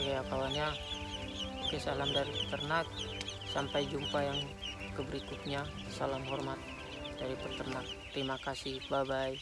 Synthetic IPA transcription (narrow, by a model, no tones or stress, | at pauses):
ɡajakawaɲa | kəsalamdaɾipət̪ərnak̪̚ | sampajd͡ʒumpajaŋ | kəbəɾikʊt̪̚ɲakəsalamɦɔrmat̪̚ | daɾipərt̪ərnak̚t̪ːɾimakasɪhbabaj